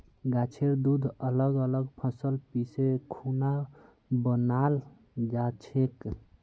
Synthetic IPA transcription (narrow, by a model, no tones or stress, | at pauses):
ɡat͡ʃʰeɾd̪ud̪ʱələɡələɡpʰəsəlpisekʰuna | bənal | d͡ʒat͡ʃʰek